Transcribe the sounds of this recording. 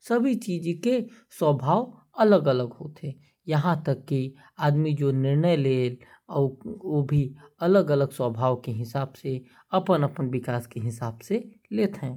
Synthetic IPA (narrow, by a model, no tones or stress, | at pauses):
sɐbʱit͡ʃiːd͡ʒkeswəːbʱaːw | ɐləɡələɡɦoːt̪eː | jɐɦãt̪ɐkːi | aːd̪mid͡ʒoːnɪɾnəjleːl | oːbʱiɐləɡələɡswəːbʱaːwkeɦɪsaːbse | ɐpənɐpənʋɪkaːskeɦɪsaːbse | leːt̪ɦɛ̃ː